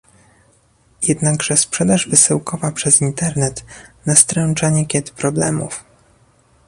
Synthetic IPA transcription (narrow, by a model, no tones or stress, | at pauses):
jɛd̪naɡʐɛspʂɛd̪aʐvɘsɘwkɔvapʂɛzint̪ɛɾnɛt̪nast̪ɾɛnt͡ʂaɲɛkʲɛt̪pɾɔblɛ̰mṵf